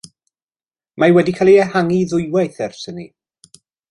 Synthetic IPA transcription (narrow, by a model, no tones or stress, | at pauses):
majwɛdikʰaːlˠiɛhaŋiðʊjwajθɛrsəni